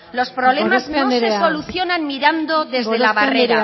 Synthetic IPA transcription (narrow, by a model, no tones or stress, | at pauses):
lo̞spɾo̞βlemassɾeso̞luθjo̞nanmiɾand̪o̞ðe̞zðelaβareɾa